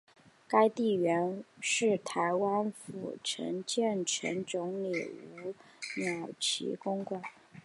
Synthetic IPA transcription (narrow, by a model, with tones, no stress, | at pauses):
ka˥ɪt̪i˥˩ɥɛ˧˥nʂɻ̩˥˩t̪ʰa˧˥ɪwa˥nfṵ˨˩ʈ͡ʂʰə̰˧˥ŋt͡ɕjɛ˥˩nʈ͡ʂʰə̰˧˥nʈ͡ʂʊ˧˥ŋli˨˩u˧˥ | mjɑ˨˩ʊt͡ɕʰḭ˧˥kʊ˥ŋkwa˨˩˦n